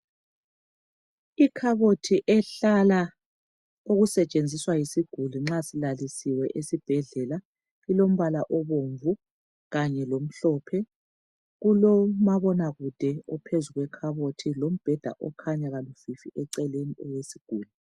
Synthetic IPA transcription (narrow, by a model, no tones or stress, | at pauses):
ikʰaβotʰiʔɛɬala | uɣusɛt͡ʃʼend͡zʱiswajisiɡ̥ʱuliŋ͡ǁasilalisiwɛʔesib̥ʱɛɮɛla | ilom̩βalaʔɔβoɱvu | ɣaɲɛlom̩ɬɔpʰɛ | ɣulɔmaβɔnaɣud̥ʱɛɔpʰezuɣwɛkʰaβotʰilom̩b̥ʱɛd̥ʱa̰ʔɔkʰaɲaɣalufifiʔɛǀɛleniɔwesiɡ̥ʱuːlu